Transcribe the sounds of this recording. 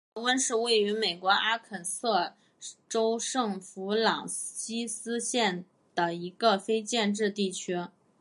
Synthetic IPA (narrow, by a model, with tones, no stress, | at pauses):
wə˥nʂɻ̩˥˧we˥˩ɪy˧˥me˨˩ɪkwɔ˧˥ʔa˥kʰə˨˩nsɤ˥˩ | ʈ͡ʂo˥ʊʂɤ˥˩ŋfu˧˥lɑ˨˩ŋɕi˥sɹ̩˥ɕjɛ˥˩n | d̪̥ə˩i˧˥ɡə˧fe˥ɪt͡ɕjɛ˥˧nʈ͡ʂɻ̩˥˧t̪i˥˩t͡ɕʰy˥